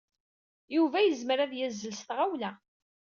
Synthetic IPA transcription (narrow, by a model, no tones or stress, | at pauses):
juvæjəzməɾæðjæzːəlsθʁawlæ